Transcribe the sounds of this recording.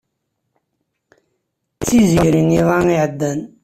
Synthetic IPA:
t͡siziɾiŋivaŋiʕəd̪ːən

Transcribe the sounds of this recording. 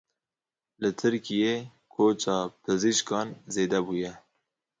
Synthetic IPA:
lɨt̪ʰɨɾkijeː | kʰoːt͡ʃɑːpʰɨziʃkɑːnzeːd̪ɛbuːjɛ

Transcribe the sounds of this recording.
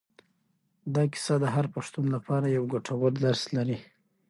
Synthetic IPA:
d̪ɑkɪ̥sɑd̪əɦaɾpaʂt̪unlapʰɑɾajawɡoʈʰawallaɾslaɾi

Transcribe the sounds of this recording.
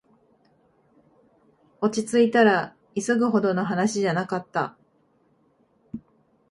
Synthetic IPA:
o̞t͡ɕit͡sɨit̪aɾa | isɨɡɯ̟ɦo̞d̪o̞no̞ɦanaɕiʑanakat̪ːa̰

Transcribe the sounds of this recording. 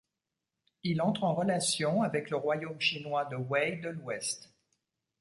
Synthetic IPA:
ilɑ̃t̪χɑ̃ʁəlasjɔ̃avɛkləʁwajomʃinwad̪əwɛjd̪əlwɛst̪

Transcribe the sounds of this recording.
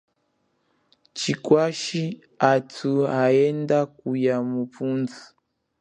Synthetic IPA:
t͡ʃikwaʃi | atʰuaɛndakujamupunzu

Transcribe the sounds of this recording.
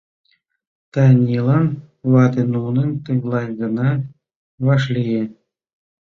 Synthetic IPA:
t̪ɑnʲilˠɑn | βɑt̪enunənʲt̪ɤ̆ɣlˠɑjɡɤ̆nɑ | βɑʃ̬lʲije

